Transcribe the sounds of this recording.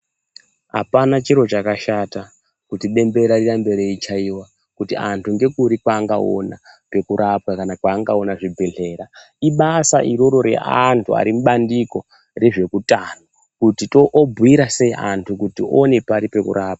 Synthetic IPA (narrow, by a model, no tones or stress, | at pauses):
ɦa̰panat͡ʃiɾo̞t͡ʃakaʃata | kutiɗe̞mbe̞ɾarirambe̞ɾeit͡ʃaiwa | kutiantʰuŋɡe̞kuɾikwaːŋɡao̰na̰pe̞kuɾʔapwakanakwaːŋɡaonaʐibʱe̞ɮe̞ːɾa | iɓasaʔiɾoɾo̞ɾe̞̰ʔantʰua̰ɾimuɓandiko̞ | re̞ʐe̞kutano | kutitoʔbʱuiɾase̞iʔantʰukutione̞paɾipekṵɾʔaːp̚wḁ